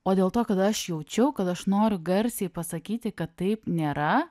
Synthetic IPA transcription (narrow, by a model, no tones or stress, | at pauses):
oːd̪ʲeːlˠt̪oːkɐt̪ɐʃjɛʊt͡ʃʲɛʊkɐt̪ɐʃnoːɾʲʊɡɐɾʲsʲɛɪpɐsɐkʲiːt̪ʲɪkɐt̪ːɐɪpnʲeːɾɐ